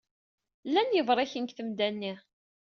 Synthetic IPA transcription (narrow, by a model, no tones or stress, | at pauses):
lːænjəvɾˤæçənkθəmd̪ænːi